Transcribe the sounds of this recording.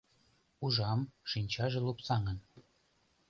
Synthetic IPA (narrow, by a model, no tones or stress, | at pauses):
uʒɑmʃinʲt͡ɕɑʒelupsɑŋən